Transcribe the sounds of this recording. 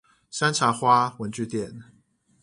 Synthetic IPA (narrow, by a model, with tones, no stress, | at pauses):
sa˥nt͡sʰa˨˥xwa˥˦wə˨˦nt͡ɕy˥˨t̪jɛ˥˨n